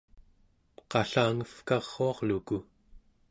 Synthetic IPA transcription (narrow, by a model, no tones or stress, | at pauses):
qɑɬaːŋəfkɑʁːoɑʁluku